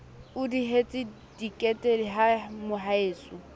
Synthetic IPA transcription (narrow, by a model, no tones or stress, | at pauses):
ʊdiɦet͡sʼɪ | dikʼɛtʼeliɦamʊɦaeːsʊ